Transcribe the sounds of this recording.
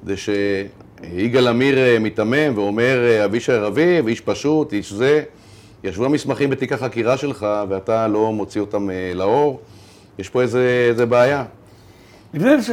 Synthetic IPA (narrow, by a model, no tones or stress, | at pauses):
kdeʃe | iɡalamiʁmitame̞mveo̞me̞ʁaviʃaeʁaviviʃpaʃutiʃze̞ | jaʃvuamismaχimbet̪ikaχakiʁaʃe̞lχaveatalo̞mo̞t͡sio̞tamelao̞ʁ | jeʃpo̞ezeezebeaja | bine